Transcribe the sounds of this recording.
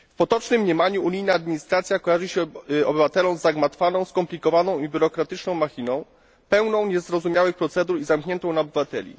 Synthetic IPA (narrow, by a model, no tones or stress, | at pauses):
fpɔt̪ɔt͡ʂnɘmːɲɛmaɲuʔuɲijnaːd̪̚mʲiɲist̪ɾat̪sʲjakɔjaʐɨɕɛɔbɘvat̪ɛlɔ̃w̃zaɡmat̪fanɔ̃w̃skɔmplʲikɔvanɔ̃w̃ibʲjuɾɔkɾat̪ɘt͡ʂnɔ̃w̃maxʲinɔ̃w̃ | pɛwnɔ̃w̃ɲɛzɾɔzumjawɘxpɾɔt̪sɛd̪uɾizamkɲɛnt̪ɔ̃w̃naɔbɘvat̪ɛlʲḭ